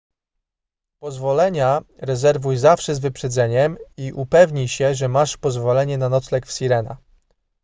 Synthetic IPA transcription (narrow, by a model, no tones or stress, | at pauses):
pɔzvɔlɛɲaɾɛzɛɾvujzafʂɛzvɘpʂɛd̪zɛɲɛmiʔupɛvɲijɕɛʐɛmaʂpɔzvɔlɛɲɛnanɔt̪slɛkfsʲiɾɛna̰